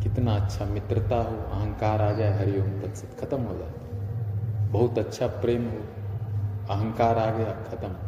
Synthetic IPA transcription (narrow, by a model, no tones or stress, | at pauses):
kɪt̪naɐtːʃʰamɪt̪ɾət̪aːɦoːɐɦə̃ŋkaːɾaːd͡ʒaːeɦɐɾijoːnt̪ɐt̪sɐt̪kʰɐt̪əmɦoːd͡ʒaːe | bɐɦut̪ɐtːʃʰapɾeːmɦoː | ɐɦə̃ŋkaːɾaːɡɐjakʰɐt̪ɐm